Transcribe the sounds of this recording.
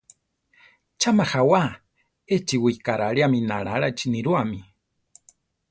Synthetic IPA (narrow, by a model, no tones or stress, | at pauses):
t͡ʃamaxawa | et͡ʃiwikaɾaɺiaminaɺaɺait͡ʃiniɾuami